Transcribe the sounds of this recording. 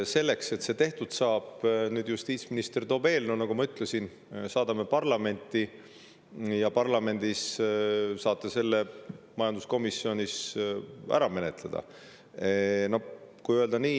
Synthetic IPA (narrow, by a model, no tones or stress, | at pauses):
se̞lːe̞kse̞t̪se̞t̪e̞ht̪ud̪̥sɑːb̥nyːd̪̥just̪iːt̪sminist̪e̞rt̪o̞ːb̥e̞ːlnunɑɡ̥umɑyt̪ˑlesin | sɑːd̪̥ɑme̞pɑrlɑme̞nʲt̪ˑːi | jɑpɑrlɑme̞nʲd̪̥is | sɑːt̪ːˑese̞lːe̞mɑjɑnd̪̥usko̞misːjo̞nʲis | æ̰ɾɑme̞ne̞t̪ˑled̪̥ɑ̰ | no̞kujøld̪̥ɑniː